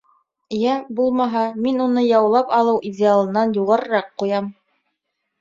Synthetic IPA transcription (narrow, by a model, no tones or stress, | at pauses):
jæbulˠmɑɦɑminunɤjɑwlˠɑpɑlˠɤwʔidʲɪalˠɤ̆nɑnjuʁɑɾɤ̆ɾɑqːujɑm